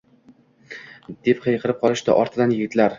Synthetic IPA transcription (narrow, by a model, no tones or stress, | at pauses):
d̪̥epqʰejqʰɨɾɪp̚qʰɒlˠɪʃd̪a̰ʔɒɾt̪ʰɪd̪anjɪɡʲɪt̪laɾ